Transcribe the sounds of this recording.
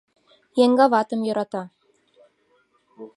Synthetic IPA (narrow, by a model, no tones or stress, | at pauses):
jeŋɡɑβɑt̪ə̆mjɤɾɑt̪ɑ